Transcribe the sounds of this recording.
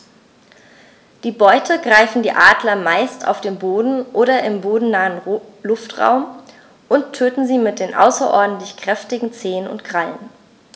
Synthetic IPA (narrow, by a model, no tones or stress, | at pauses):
d̥iːbɔʏtʰəɡʁaɪfn̩diːʔaːdlɐmaɪsta̰ʊfd̥eːnboːdn̩ʔoːɾɐʔɪmboːdn̩naːənlʊftʁ̥a̰ʊm | ʔʊnttʰːøːtn̩ziːmɪt̚d̥eːnʔa̰ʊsɐʔɔ̰ɐdn̩tlɪçkʁ̥ɛftɪɡŋ̩t͡seːənʊ̰ntɡ̥ʁ̥aln